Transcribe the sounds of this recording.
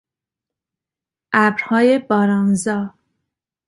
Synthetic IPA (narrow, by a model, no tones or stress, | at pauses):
ʔæbɾhɒːje̞bɒːɾɒːnzɒː